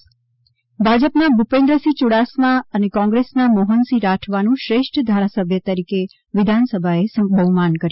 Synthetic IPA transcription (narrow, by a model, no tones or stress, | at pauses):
bʱad͡ʒəpnabʱupẽnd̪ɾəsit͡ʃuɽasmaənekɔ̃ŋɡɾesnamoɦənsiɾaʈʰʋanũʃɾeʃʈʰəd̪ʱaɾasəbʱjət̪əɾike | ʋɪd̪ʱansəbʱaesə̃ŋbʱəmankəɾ